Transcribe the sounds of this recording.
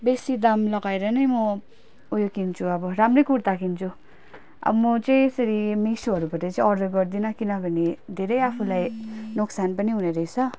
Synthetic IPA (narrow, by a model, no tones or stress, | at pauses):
besid̪amlʌɡajɾʌnʌjmʌ | ujokint͡sʰuʌbʌɾamrejkuɽt̪akʰint͡sʰu | ʌ̰bʌmʌt͡saĩesʌɾimisuɦʌɾubʌʈʌt͡saĩʌɾd̪ʌɡʌɾd̪inʌkinʌbʱʌned̪ʱeɾʌjapʰulajnoksanpʌniɦuneɾʌit͡sʰʌ